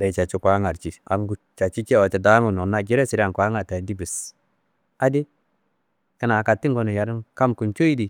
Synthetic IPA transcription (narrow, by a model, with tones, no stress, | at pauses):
da˨t͡ʃa˨t͡ʃu˦kʷa˦ŋa˨ɾt͡ʃi˨a˨ŋɡu˦t͡ʃa˨t͡ʃi˦t͡ʃi˦˨o˨t͡ʃe˨da˦ŋu˨no˨na˨ɡi˦ɾe˦si˨ɾa˨ŋkʷa˨˦ŋa˨ta˨ndi˦bi˨s | a˦di˦ | ki˦na˨ka˨tːi˦ŋɡo˦ni˨ja˨ɾi˦nka˦mku˨nt͡ʃo˦i˦di˨